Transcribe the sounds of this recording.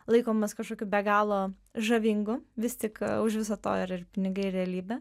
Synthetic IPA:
lˠɐɪkoːmɐskɐʃkoːkʲuːbʲɛɡɑːlˠoː | ʒɐʋʲiːŋɡʊʋʲɪst̪ʲɪkʊʃʋʲɪsɐːt̪o̰ːɪɾɪrpʲɪnʲɪɡɐɪrʲɾʲɛlʲiːbʲɛ

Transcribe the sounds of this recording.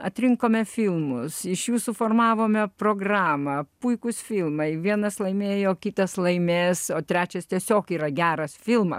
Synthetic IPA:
ɐt̪ʲɾʲɪŋkoːmʲɛfʲɪlˠmʊsɪʃjuːsʊfoːrmɑːʋoːmʲɛproːɡrɑːmɐpʊɪkʊsfʲɪlˠmɐɪʋʲiɛnɐslˠɐɪmʲeːjoːkʲɪt̪ɐslˠɐɪmʲeːsoːt̪ʲɾʲæːt͡ʃʲɛst̪ʲiɛsʲoːkiːɾɐɡʲæːɾɐsfʲɪlˠmɐ̰

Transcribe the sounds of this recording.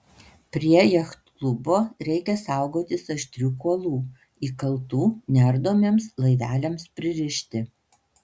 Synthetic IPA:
pʲɾʲiɛjɛxt̪klˠʊboːɾʲɛɪkʲɛsɑˑʊɡoːt̪ʲɪsɐʃʲt̪ʲɾʲukuɔlˠuː | iːkɐlˠt̪uːnʲɛɾd̪oːmʲeɛmslˠɐɪʋʲæːlʲɛmspʲɾʲɪɾʲɪʃʲt̪ʲɪ

